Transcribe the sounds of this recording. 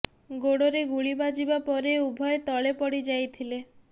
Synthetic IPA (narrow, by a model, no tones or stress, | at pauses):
ɡoɽoɾeɡuɭibad͡ʒibapɔɾeubʱɔjet̪ɔɭepɔɽid͡ʒajt̪ʰile